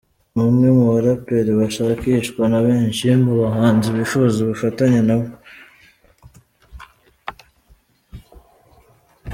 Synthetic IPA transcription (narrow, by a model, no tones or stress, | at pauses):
mumŋemuβaɾapeɾiβaʃakiʃkwanaβeːɲʃimboβaɦaːnziβifuzuβufataɲenaβo